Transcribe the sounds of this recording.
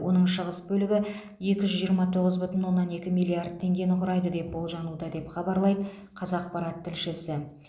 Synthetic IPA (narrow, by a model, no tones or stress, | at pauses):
wo̞̰n̪əɴʃəʁəsbɵlɪɡʲɪ | je̞kʲɪʒʏzʒijəɾmɑt̪ʰo̞ʁəzbʏt̪ɪnwo̞nːɑne̞kʲɪmilʲˠiard̪̚t̪ʰːe̞ŋɡʲe̞nʊqʰʊɾɑjd̪əd̪e̞p̚bo̞lˠʒɑnud̪ɑd̪e̞pχɑbɑɾlˠɑjd̪ə | qʰɑzɑq̚pɑɾɑt̪ʰːɪlʃɪsɪ